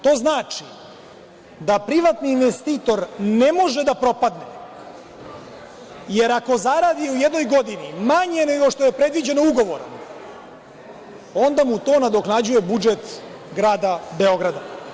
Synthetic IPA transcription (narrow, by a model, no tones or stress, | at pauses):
t̪o̞ːznaːt͡ʃi | d̪apɾiʋat̪niːnʋest̪iːt̪o̞ɾne̞mo̞ʒed̪apɾo̞pad̪ne | jeɾako̞zaɾaːd̪iujed̪nojɡo̞d̪inimaɲeneɡo̞ʃt̪o̞je̞pɾe̞d̪ʋid͡ʑe̞nouɡo̞ʋo̞ɾo̰m | o̞nd̪amut̪o̞ːnad̪o̞knad͡ʑuje̞bud͡ʒet̪ | ɡɾaːd̪abeo̞ɡɾad̪a